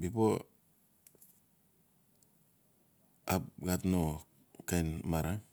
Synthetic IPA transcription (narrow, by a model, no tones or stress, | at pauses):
bipo | apɡatno | kajnmaɾa